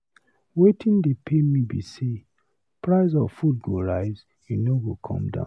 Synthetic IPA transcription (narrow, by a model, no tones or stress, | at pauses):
wetʰĩndepʰemĩbḭse | pɹaɪzɔfut̚ɡoɹaɪz | jinoɡokʰɔ̰̃mdã̰ʊ̃n